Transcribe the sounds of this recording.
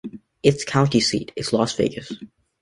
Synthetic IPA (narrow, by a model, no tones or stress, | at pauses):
ɪtskʰãʊ̃ntisḭɾɨtslɔstfɪɪɡəs